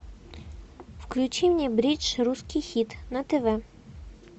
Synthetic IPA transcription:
wklʲut͡ʃiwnʲibɾʲit͡ʃɾuskijxʲit̪nɐt̪eʋɛ

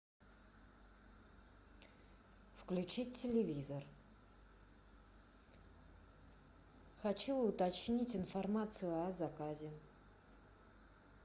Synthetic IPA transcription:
fklʲʉt͡ɕiːɪlʲɪvʲizər | xɐt͡ɕuʊt̪ɐt͡ɕnʲitʲɪnfɐrmat̪sɨjʊɐzɐkazʲɪ

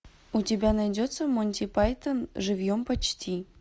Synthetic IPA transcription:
utʲibʲænajdʲot̪səmonʲtʲipɑjt̪ənʐɨvjompət͡ɕtʲʰi

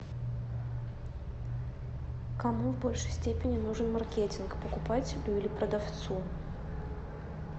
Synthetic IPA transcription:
kɐmuvbo̞lʲʂəjsʲtʲepʲɪnʲɪnuʐɨnmɐrkʲetʲɪnkpəkʊpatʲɪlʲʊilʲɪpɾəd̪ɐft̪su

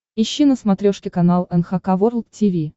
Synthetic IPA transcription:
ɪɕːinəsmɐt̪ɾʲoʂkʲɪkɐnalˠɛnxakavorlˠktʲivʲi

